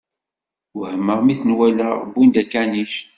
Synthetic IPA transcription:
whəmːəʁmiθənwæləʁbːind̪ækːæniʃ

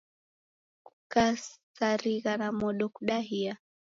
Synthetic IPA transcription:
ku̥kasaɾiɣanamɔɗɔkuɗaɦia

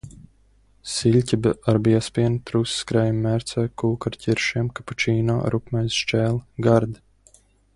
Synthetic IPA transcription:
silʲcʲibaɾbiɛspʲiɛnt̪ɾusskɾɛjumːæɾt̪sɛjkuːkaɾcʰʲiɾʃiɛmkapat͡ʃiːna̰ːɾukmajsʃt͡ʃɛːlˠɡaɾd̪

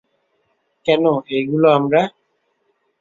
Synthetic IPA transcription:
kɛnʊeɡulɔm̩ɾa

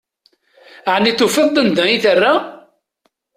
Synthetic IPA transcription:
ʕnːiθufəðˤd̪ˤənd̪əiθərːa

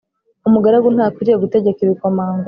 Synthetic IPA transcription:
umuɡaɾaɡunhaːkuɾijeɡuteɟe̞kiβikomaːŋɡo

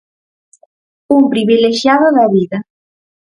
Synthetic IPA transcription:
umpɾiβileʃjaðʊðaβiðɐ

